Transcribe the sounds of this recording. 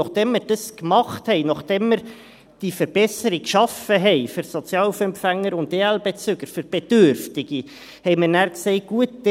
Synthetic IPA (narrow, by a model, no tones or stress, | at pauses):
ɔχd̥ɛmːəɾd̥ɑskmɑχthɛɪnɑχd̥ɛmːəɾ | d̥ifəɾb̥ɛsəɾikʃɑfəɦɛɪfʏɾsɔt͡sjɑːlufɛmpfæŋːəɾʊndeːɛlbet͡sʏɡəɾfʏɾb̥ed̥ʏɾftɪɡ̥i | hɛɪməɾnæːɾksɛɪɡ̥uət̚d̥